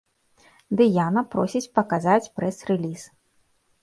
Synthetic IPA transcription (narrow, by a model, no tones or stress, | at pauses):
d̪ɨjanɐpɾɔsʲit͡sʲpɐkazat͡sʲpɾɛsrɛlʲis